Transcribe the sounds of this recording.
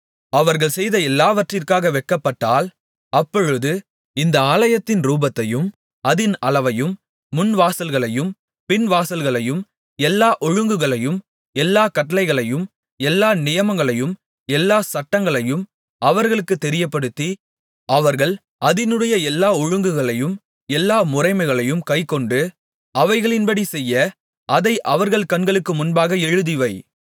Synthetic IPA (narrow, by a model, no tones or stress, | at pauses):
ɐʋɐɾɣɐɭsɛjðɐɛlːaːʋɐʈrɪrkaːɣɐʋɛkːɐpːɐʈːaːl | ɐpːɔɻɯðɯ | ɪnd̪ɐaːlɐjɐt̪ːɪnɾuːbɐt̪ːɐjɯm | ɐðɪnɐlɐʋɐjɯmː | ʊnʋaːsɐlɣɐɭɐjɯm | pɪnʋaːsɐlɣɐɭɐjɯm | ɛlːaːʔɔɻɯŋɡɯɣɐɭɐjɯm | ɛlːaːkɐʈːɐlɐɪɣɐɭɐjɯm | ɛlːaːnɪjɐmɐŋɡɐɭɐjɯm | ɛlːaːsɐʈːɐŋɡɐɭɐjɯm | ɐʋɐɾɣɐɭɯkːɯt̪ːɛɾɪjɐpːɐɽɯt̪ːi | ʔɐʋɐɾɣɐɭ | ʔɐðɪnɯɽɐjɐɛlːaːɔɻɯŋɡɯɣɐɭɐjɯm | ɛlːaːmʊrɐɪmɐɪɣɐɭɐjɯmkɐɪkːɔɳɖɯ | ɐʋɐɪɣɐɭɪnbɐɽisɛjːɐ | ʔɐðɐɪʔɐʋɐɾɣɐɭkɐnɡɐɭɯkːɯmʊnbaːɣɐɛɻɯðɪʋɐɪ